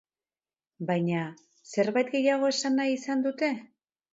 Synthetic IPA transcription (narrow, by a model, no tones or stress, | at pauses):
bajɲa | se̞ɾβajt̪ɡe̞jaɣ̞o̞e̞sanːajisand̪ut̪e̞